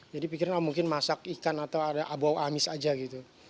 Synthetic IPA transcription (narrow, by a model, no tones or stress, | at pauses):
d͡ʒadipikiɾanamuŋkɪnmasakikanat̪awadaʔabuawʔamɪsad͡ʒaɡit̪u